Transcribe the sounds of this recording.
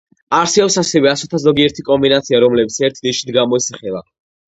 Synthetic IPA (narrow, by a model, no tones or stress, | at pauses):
aɾsɛɔpsasɛvɛasɔt̪ʰazɔɡiɛɾt̪ʰikʼɔmbinat̪sʰiaɾɔmlɛbit̪sʰɛɾt̪ʰd̪iʃi̥t̪ɡamɔɛsaχɛla̰